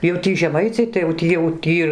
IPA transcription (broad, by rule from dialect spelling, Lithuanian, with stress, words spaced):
jɛʊ ˈtʲiː ʒʲɛˈmɐɪt͡sʲɛɪ tɐɪ jɛʊ tʲiː jɛʊ ˈtʲiː